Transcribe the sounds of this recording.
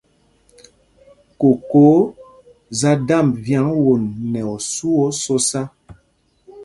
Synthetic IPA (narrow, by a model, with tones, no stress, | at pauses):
ko˨koː˨˦ | za˦da˦˨mvja˦ŋwo˨nːɛ˨ɔ˨su˦ɔ˦so˦sa˦